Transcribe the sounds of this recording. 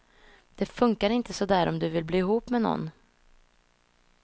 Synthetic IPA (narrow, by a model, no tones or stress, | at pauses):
d̪̥ɛfɵŋkaɾɪnt̪əsɔd̪æːɾʔɔ̰md̪ɵvɪlbliːɪɦuːpmɛnɔ̰nː